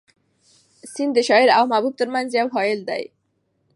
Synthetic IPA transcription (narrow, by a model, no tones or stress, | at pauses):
sind̪əʃɔeɾawmabub̚t̪əɾmanzjawɦɔjeld̪a̰j